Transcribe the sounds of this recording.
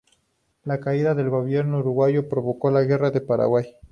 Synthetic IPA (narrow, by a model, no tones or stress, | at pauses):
lakaiðaðe̞lɣo̞βje̞ɾnouɾuɣwaʝo̞pɾo̞βo̞ko̞laɣe̞raðe̞paɾa̰ɣwaj